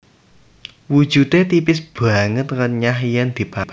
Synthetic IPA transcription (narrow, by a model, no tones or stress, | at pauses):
wu̥ʒ̥ṳd̪et̪ipɪs̬b̥a̤ŋət̪kanɲaɦijand̪̥i̤pap